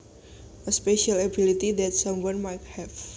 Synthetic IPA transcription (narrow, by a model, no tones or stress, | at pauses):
əspeʃələbilit̪id̪ɛtsʌ̃mwʌ̃nmajt̚hɛv